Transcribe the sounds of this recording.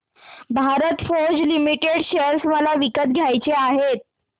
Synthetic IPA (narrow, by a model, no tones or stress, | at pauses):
bʱaɾət̪fod͡zlimiʈeɽɕeɾsməlaʋikət̪̚ɡʱjajt͡seaɦet̪̚